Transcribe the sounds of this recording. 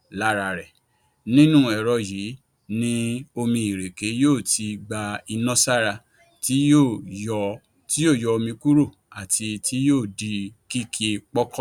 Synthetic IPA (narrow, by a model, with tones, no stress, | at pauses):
la˦ɾa˧˨ɾɛ˨ | nĩ˦nũ˦ɛ˨ɾɔ˧ji˨˦ | nĩ˦o˧mĩ˧i˨ɾe˨ke˨˦joː˦˨tʰi˧ɡ͡ba˧i˧nɔ̃˦sa˦ɾa˧ | ti˦o˦˨ɔ˧ | ti˦jo˦˨jɔ˧o˧mĩ˧ku˦ɾo˦˨ | a˨ti˧tʰi˦joː˦˨di˨˧ki˦ke˧k͡pɔ˦kɔ˦